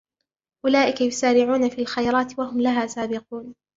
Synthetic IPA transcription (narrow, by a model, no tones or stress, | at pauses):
ʔʊlaːʔɪkajʊsaːɾɪʕuːnafiːlxajɾˤɑːt̪wahʊmlaɦaːsaːbɪquːn